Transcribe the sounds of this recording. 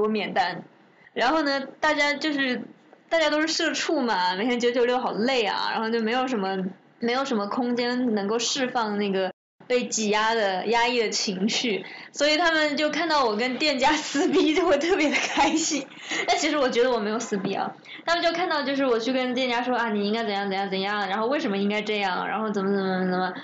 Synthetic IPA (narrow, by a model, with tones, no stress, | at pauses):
wɔ˧˥mjɛ˨˩nt̪a˥n | ɻa˧˥nxo˥˩ʊnə˩t̪a˥˩t͡ɕja˥t͡ɕjo˥˧ʊʂɻ̩˥˧ | t̪a˥˩t͡ɕja˥t̪o˥ʊʂɻ̩˥˧ʂɤ˥˧ʈ͡ʂʰu˥˩mɐ˩me˨˩ɪt̪ʰɛ˥˩t͡ɕo˥˩t͡ɕʰjo˥jo˥˩ʊxɑ˨˩ʊd̪ə˦le˥˩ɪɐ̰˩ɻa̰˧˥nxo˥˧ʊt͡ɕjo˥˩ʊme˧˥ɪjo˨˩ʊʂə˧˥nmə˧ | me˧˥ɪjo˨˩ʊʂə˧˥nmə˧kʰʊ˥ŋt͡ɕjɛ˥nnɤ˧˥ŋko˥˧ʊʂɻ̩˥˧fɑ˥˧ŋna˥˩ɡə˩ | pe˥˩ɪt͡ɕi˨˩ja˥d̪ə˨ja˥i˥˩d̪ə˩t͡ɕʰi˧˥ŋɕy˥˩swɔ˧˥i˨˩t̪ʰa˥mə˨nt͡ɕjo˥˧ʊkʰa˥˧nt̪ɑ˥˩ʊwɔ˨˩k̬ə˥nt̪jɛ˥˩nt͡ɕja˥sɹ̩˥p̬i˥t͡ɕjo˥˩ʊwɔ˨˩t̪ʰɤ˥˩pjɛ˧˥d̪ə˧kʰa˥ɪɕi˥ŋ | na˥˩nt͡ɕʰi˧˥ʂɻ̩˧˥wɔ˨˩t͡ɕɥɛ˧˥d̪ə˧wɔ˨˩me˧˥ɪjo˨˩ʊsɹ̩˥pi˥a̰˧˩ | t̪ʰa˥mə˨nt͡ɕjo˥˧ʊkʰa˥˧nt̪ɑ˥˧ʊt͡ɕjo˥˧ʊʂ̬ɻ̩˥˩wɔ˨˩t͡ɕʰy˥˩kə˥nt̪jɛ˥˧nt͡ɕja˥ʂwɔ˥a˥˩ni˨˩i˥ŋka˥ɪt͡sə˨˩˦jɑ˥˩ŋt͡sə˨˩jɑ˥˩ŋ˩t͡sə˨˩˦jɑ˥˩ŋɻa˧˥nxo˥˧ʊwe˥˩ɪʂ̬ə˧˥mə˧i˥ŋka˥ɪʈ͡ʂɤ˥˧jɑ˥˩ŋɻa̰˧˥nxo˥˩ʊt͡sə˨˩mə˦t͡sə˨˩mə˨˩mə˩t͡sə˨˩mə˩